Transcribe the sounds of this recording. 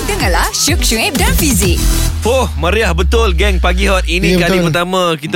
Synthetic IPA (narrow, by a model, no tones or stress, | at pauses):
dəŋãnlahʃuk̚ʃuɛp̚danfizik̚fohmãɾiahbət̪ʊlɡɛŋpaɡiɦɔt̪̚inĩkalipərt̪amãkit̪